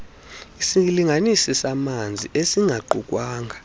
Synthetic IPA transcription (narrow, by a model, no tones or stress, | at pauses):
isiliŋʱanisisamand͡zʱiʔesiŋɡʱaǃukʼwaːŋʱa